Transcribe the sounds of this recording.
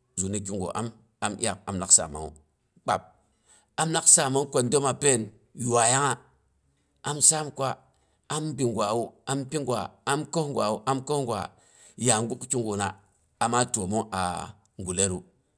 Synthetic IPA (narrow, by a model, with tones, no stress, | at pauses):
zu˨ni˦ku˦ŋɡo̰˨ʔa̰˦m | a˦mja˨k̚a̰˨mla˦ksa̰˨ma̰˨ŋṵ˨ | k͡pa̰˨p̚ | a˦m˦na˦ksa˦˨ma˦ŋ˦kʷo˨ndo˦ma˨pe˦˨n | ju˨wa˨ja˦ŋa˦ | a˦msa˦mkʷa˦ | a˦mbi˨ŋɡwa˨u˦a˦mpi˦ŋɡwa̰˨a˦mko˦hŋɡʷa˨u˦ʔa˦mko˦hŋɡʷa̰˨ | ja˨ŋ˦ɡu˦kkʲu˦ŋɡu˨na̰˨ | a˨ma˦to˨mo˦ʔa̰˨ | ŋɡu˨le˦ɾu˦